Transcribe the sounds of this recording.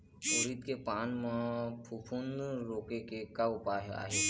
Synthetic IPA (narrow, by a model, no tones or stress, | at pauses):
oɾit̪kepaːnmãpʰupʰunɾoːkekekaʊpaːɦa̰ːɦe